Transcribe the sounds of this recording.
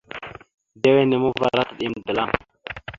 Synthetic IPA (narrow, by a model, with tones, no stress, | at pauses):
de˦we˦ne˨mu˦va˦ɾa˦tə˨ɗi˦m˨də˨la˦˨ŋ